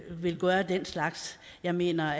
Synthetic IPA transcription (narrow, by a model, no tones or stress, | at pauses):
ʋe̝lɡ̥ɶːɐd̥enslɑ̈ɡ̥sjɑ̈ɪme̝̰ːnɐ